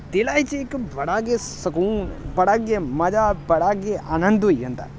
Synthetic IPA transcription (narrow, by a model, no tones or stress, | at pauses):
t̪elaːit͡ʃɪkbɐɽaːɡesəkuːnbɐɽaɡemɐd͡ʒaːbɐɽaːɡeʔaːnə̃nd̪ɦoiʋẽnd̪a̰ː